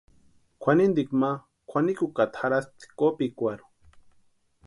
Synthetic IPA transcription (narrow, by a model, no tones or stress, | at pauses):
kʷʰanind̪ikma | kʰʷanikukat̪xaɾast̪i̥kopikʷaɾu̥